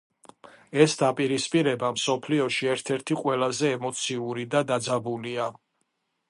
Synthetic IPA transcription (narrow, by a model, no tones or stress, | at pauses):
ɛsd̪apʼiɾispʼiɾɛbamsɔpʰliɔʃiɛɾt̪ʰɛɾt̪ʰiqʼwɛlazɛːmɔt̪sʰiuɾid̪ad̪ad̪zabulia